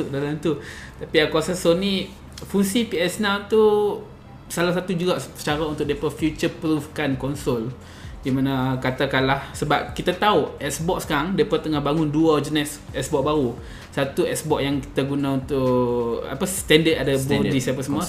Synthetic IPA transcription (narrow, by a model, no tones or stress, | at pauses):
ʊʔdalamt̪ut̪apiakuasasonĩ | fuŋsipiɛsnawt̪u | salahsat̪ud͡ʒuɡaʔt͡ʃaɾaunt̪ʊʔ̚dapəfjut͡ʃəpɾufkankɔnsɔl | dimanakat̪akanlahsəbap̚kit̪at̪auɛʔsbɔʔ̚skaŋdapat̪ːəŋahbaŋʊnduad͡ʒənɛs | ɛsbɔʔ̚baɾu | sat̪uɛ̰sbɔʔ̚jaŋki̥t̪aɡunãunt̪ʊʔa̰past̪ɛndətadabɔdisapasəmua